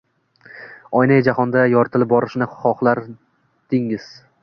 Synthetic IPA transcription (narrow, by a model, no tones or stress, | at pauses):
ɒjnajd͡ʒahɒnd̪ajɒɾt̪ʰɪlɪp̚bɒɾɪʃnɪχɒχlˠaɾ | d̪̥ɪŋɪz̥